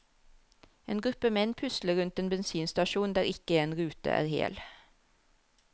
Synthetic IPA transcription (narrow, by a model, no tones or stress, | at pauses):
eːnɡɾʉpəmɛnpʰʉsləɾʉnt̪eːnbɛnsiːnst̪ɑʃuːnd̪æːɾɪkəeːnɾʉːt̪ə̰ʔæ̰ːʁhḛːl